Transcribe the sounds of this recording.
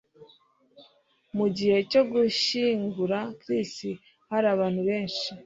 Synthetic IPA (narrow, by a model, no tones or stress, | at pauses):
muɟihe̞co̞ɡuʃiŋɡuɾakɾisi | haɾaβaːn̥huβe̞ːnʃi